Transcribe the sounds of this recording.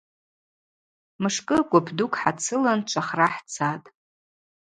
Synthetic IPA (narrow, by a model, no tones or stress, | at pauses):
mɨʂkʼɨɡʷʼabʰdukʷʼħat͡sʰɨlant͡ʃʷʰaχraħt͡sʰatʼ